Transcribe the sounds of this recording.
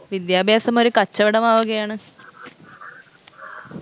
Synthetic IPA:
ʋid̪jaːbʱjaːsɐmo̞ɾukɐt͡ɕːɐʋiɽɐmaːʋuɣɐjaːɳɨ

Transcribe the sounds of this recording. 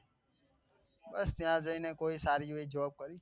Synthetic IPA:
bəst̪ɪjãːzəĩːnẽːkoːiːsaːɾiːʋəiːd͡ʒʋaːb̚kəɾiː

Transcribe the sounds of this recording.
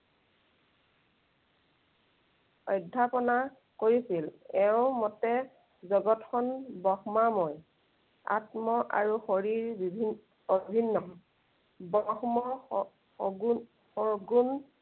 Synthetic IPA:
ɔjdʱːapɔna | koɹisilɛʊ̃mɔtɛ | zɔɡɔtxʰɔnbɔxmamɔj | a̰tmɔʔa̰ɹuxoɹiɹbibʱin | obʱinːɔ | bɔxmɔ | ɡ | ɔɡun

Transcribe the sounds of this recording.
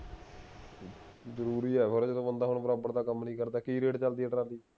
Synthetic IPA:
zəɾuːɾiːɛːbʰəɾd͡ʒed̪õːənd̪aːɦʊɳbəɾaːbəɾd̪aːkəmnĩːkəɾd̪aːkiːɾeːʈt͡ʃəld̪iːɛɖɾaːd̪iː

